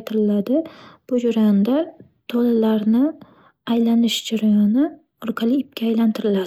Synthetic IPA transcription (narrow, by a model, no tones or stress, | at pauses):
t̪ʰɪɾɪlad̪ɪb̥ʊd͡ʒʊɾand̪a | t̪ʰolɪlaɾnɪ | ajlanɪʃd͡ʒaɾajɒnɪ | ɾqʰalɪɪp̚kʲʰaːjlant̪ʰɪɾɪlad̪ɪ